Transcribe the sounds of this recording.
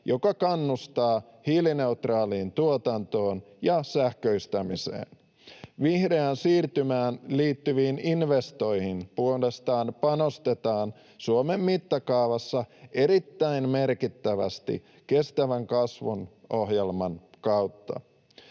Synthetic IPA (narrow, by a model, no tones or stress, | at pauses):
jo̞kɑkɑnːust̪ɑː | hiline̞ut̪rɑːliːnt̪uot̪ɑnt̪o̞ːn | jɑsæhkø̞ist̪æmisḛːn | ʋihre̞ænsiːrt̪ymæːnliːt̪ːyʋiːninʋe̞st̪o̞jhinpuolest̪ɑːnpɑno̞st̪e̞t̪ɑːn | suome̞mːit̪ːɑkɑːʋɑsːɑʔe̞ɾit̪ːæinme̞rkit̪ːæʋæ̰st̪ḭ | ke̞st̪æʋæŋkɑsʋunʔohjelmɑnkɑuwt̪ːɑ̰